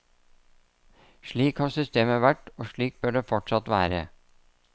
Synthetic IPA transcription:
ʃɭiːkhɑːsʏst̪eːməʋæʈoːʂɭiːk̚bœɖeːfɔʈʂɑt̪ʋæ̰ːɾə̰

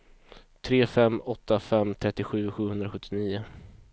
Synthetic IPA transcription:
t̪ʰɾeːfɛmːɔt̪ːafɛmːt̪ʰɾɛt̪ːɪɧʉ̟ːɧʉ̟ːhɵnd̪ɾaɧɵt̪ʰːɪniːʊ

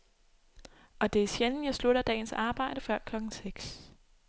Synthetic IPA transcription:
ʔɒ̽d̥e̝æsjenn̩jɑ̈ɪsluɾ̥ɐd̥ɛ̰ːnsɑ̈ːb̥ɑ̈ɪ̰ɾ̥əfɶɐ̰kʰlɒ̽ɡ̥n̩seɡ̥s

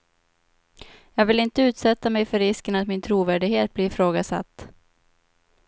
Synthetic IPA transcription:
jɑːɡvɪlɪnt̪əʉ̟ːt̪sɛt̪ːamɛjfœɾɪskənat̪mɪnt̪ʰɾuːvæːɖɪɡheːt̪̚blɪɾɪfɾoːɡasa̰t̪ː

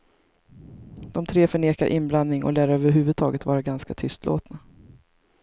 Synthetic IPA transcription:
d̪̥ɔmt̪ʰɾeːfœɳeːkaɾʔɪnblannɪŋɔ̰læːɾøːvəɾɦʉ̟ːvɵd̪̚t̪ʰɑːɡət̪vɑːɾaɡanskat̪ʰʏst̪ʰlo̰ːt̪na

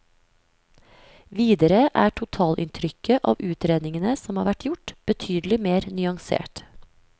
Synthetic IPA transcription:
ʋiːd̪əɾəʔæːʈʰʊt̪ʰɑːlʔɪ̰nt̪ʰɾʏkəʔɑ̰ːʋʉːt̪ɾeːd̪nɪŋənəsɔmhɑ̰ːɾʋæʈjʊʈb̥ət̪ʰyːd̪l̩ɪmeːɾnyːɑŋsḛːʈ

